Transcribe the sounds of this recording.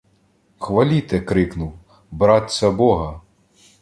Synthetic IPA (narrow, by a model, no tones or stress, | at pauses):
xʋɐlʲit̪ɛkɾɪknʊw | bɾɑt̪ʲsʲɐbɔɦɐ